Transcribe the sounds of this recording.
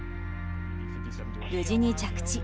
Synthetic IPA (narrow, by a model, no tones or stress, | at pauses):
jɯd͡ʑiɲit͡ɕakt͡ɕi